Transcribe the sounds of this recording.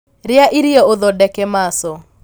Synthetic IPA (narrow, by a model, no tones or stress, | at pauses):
ɾɪaʔiɾiɔoðɔdɛkemasɔ